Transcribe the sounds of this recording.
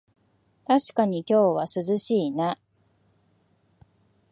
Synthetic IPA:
t̪aɕi̥kaɲ̟ikʲo̞ːβasɨzɨɕiːna

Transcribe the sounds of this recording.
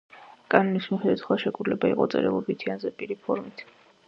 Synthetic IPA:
kʼanɔnismiχɛd̪ɛt̪ʰχwaʃɛkʼud̪lɛbaḭqʼɔ̰t̪sʼɛ̰ɾɛ̰lˠɔbit̪ʰianzɛpʼiɾipʰɔɾmit̪ʰ

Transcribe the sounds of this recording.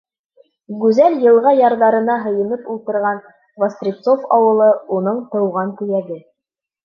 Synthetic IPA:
ɡʉzæljɤ̆lˠʁɑjɑɾðɑɾɤ̆nɑɦɤ̆jɤ̆nɤpulˠt̪ɤ̆ɾʁɑn | vɐst̪rʲit̪sofɑwɤ̆lˠɤunɤɴt̪ɤ̆wʁɑŋk̪ɵ̆jæɡɘ

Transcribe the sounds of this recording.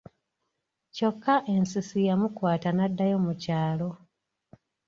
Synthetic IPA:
co̞kʰːaʔe̞nsisijamukwaːtanadːajo̞ːmucaːlo̞

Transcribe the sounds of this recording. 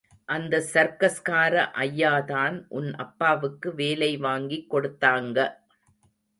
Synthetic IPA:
ʔɐnd̪ɐsɐɾkɐskaːɾɐʔɐjːaːðaːnʔʊnʔɐ̰pːaːʋɯkːɯʋeːlɐɪʋaːŋɡikːɔɽɯt̪ːaːŋɡɐ

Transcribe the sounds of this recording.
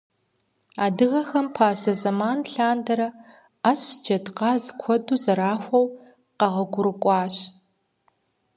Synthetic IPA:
aːdɨɣɐxɐmpʰaːzɐzɐmaːnɬaːndɐɾɐ | ɐɕd͡ʒɐdqɑːzkʷʰɔduːzɐɾaːfʷɐw | qɐʁɐɡʷʊɾɨkʷʼɑːɕ

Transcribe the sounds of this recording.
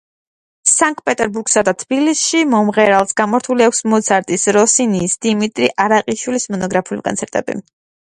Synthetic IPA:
saŋkʼpʼɛt̪ʼɛɾbuɾksad̪at̪ʰbilisʃimɔmʁɛɾalˠsɡamɔɾt̪ʰuliakʷʰsmɔt̪sʰaɾt̪ʼisɾɔsiniːsd̪̥imit̪ʼɾiʔaɾaqʼiʃwilismɔnɔɡɾapʰiulikʼɔ̰nt̪sʰɛɾt̪ʼɛ̰bḭ

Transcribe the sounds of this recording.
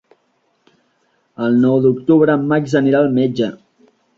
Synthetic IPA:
əlˠnɔwd̪uk̚t̪uβɾəːmːakzəniɾalˠmed͡ʒə

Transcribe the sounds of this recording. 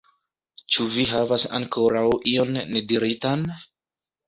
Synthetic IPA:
t͡ʃuviɦavasa̰ŋkʰo̞ɾawʔio̞nːe̞diɾitan

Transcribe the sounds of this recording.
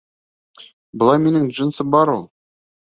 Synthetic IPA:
bəlˠɑjme̞nɪŋʒənsəbɑɾwolˠ

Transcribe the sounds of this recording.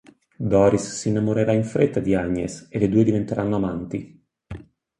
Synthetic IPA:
d̪ɔːɾisːinːamoɾeɾaiɱfɾet̪ːad̪iaɲːḛselːed̪ued̪ivent̪eɾʔanːoamant̪i

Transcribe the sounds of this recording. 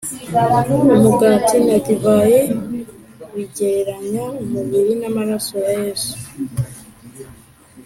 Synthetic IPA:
uumuɡatinakivaje | wiɟeɾaɲaumuβiɾinamaɾasojajeːzu̥

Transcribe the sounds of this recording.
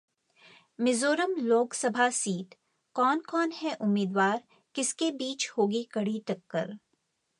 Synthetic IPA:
mɪzoːɾəmloːksɐbʱasiːʈ | kɔːnkɔːnɦɛʔʊmːiːd̪waːɾ | kɪskebiːt͡ʃhoːɡikɐɽ̤iʈɐkːəɾ

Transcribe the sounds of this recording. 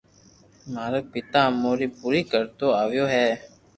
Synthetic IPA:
maːɾək̚pɪt̪ãːmoːɾiːpuːɾiːkəɾt̪oːaːʋjoːɦɛː

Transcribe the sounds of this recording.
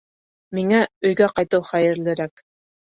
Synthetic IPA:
miŋæɵ̆jɡæqɑjt̪ɤwχæjɘ̆ɾlɘ̆ɾæk

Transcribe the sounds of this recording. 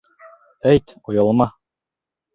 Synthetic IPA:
æjt̪ujɑlˠmɑ

